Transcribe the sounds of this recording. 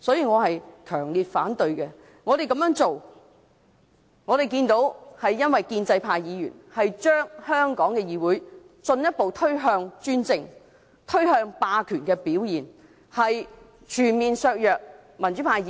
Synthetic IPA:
sɔː˨˥jiː˨˧ŋɔː˨˧ɦɐ˨jkʰœː˨˩ŋliː˨t̚faː˨˥nt̪ɵ˧ɥkɛ˧ | ŋɔː˨˧ɾe˨jkɐ˧˥mjœː˨˥ŋt͡so˨w | ŋɔː˨˧t̪e˨jkiː˧nt̪o˨˥whɐ˨jːɐ˥nwɐ˨jkiː˧nt͡sɐ˧jpʰaː˧jiː˨˧jy̰ː˨˩nhɐ˨jt͡ʃœː˥ŋhœː˥ŋkɔː˨˥ŋkɛː˧jiː˨˧wuː˨˥j | t͡sɵ˧njɐ˥t̚po˨wt̪ʰɵ˥ɥɦœː˧ŋt͡ʃyː˥nt͡sɪ˨˧ŋ | t̪ʰɵ˥ɥhœː˧ŋpaː˧kʰyː˨˩nkɛː˧piː˨˥wjiː˨˩n | hɐ˨j | t͡ʃʰyː˨˩nmiː˨nsœː˧k̚jœː˨k̚ | mɐ˨˩nt͡ʃy˨˥pʰaː˧j

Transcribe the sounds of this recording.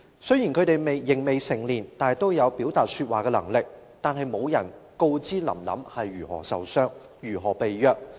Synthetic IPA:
sɵ˥ɥjiː˨˩nkʰɵ˨˧ɥt̪e˨jme˨jːɪ˨˩ŋme˨jsɪ˨˩ŋliː˨˩nt̪aː˨t̪o˥wjɐ˨˧wpi˨˥wt̪aː˨t̚syː˧t̚waː˨kɛː˧lɐ˨˩ŋlɪ˨k̚ | t̪aː˨nɦɐ˨˧jmo˨˧wjɐ˨˩nko˧wt͡siː˥lɐ̰˨˩mlɐ̰˨˥mhɐ˨jːyː˨˩hɔ̰ː˨˩sɐ˨wsœː˥ŋ | jyː˨˩ɦɔː˨˩pe˨jjœː˧k̚

